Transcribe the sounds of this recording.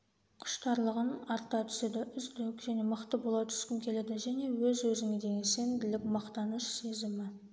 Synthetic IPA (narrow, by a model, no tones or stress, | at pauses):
qʰʊ̥ʃt̪ɑɾlˠəʁənɑɾt̪ɑt̪ʰʏ̥sed̪ɪʔʏzd̪ekʒæne̞məqt̪əbo̞lˠɑt̪ʰʏ̥skʲɪnkʲʰe̞led̪ɪʒæne̞wɵzwɵzɪŋed̪e̞ɡʲese̞nd̪ɪlɪkmɑqt̪ɑnəʃse̞zɪmɪ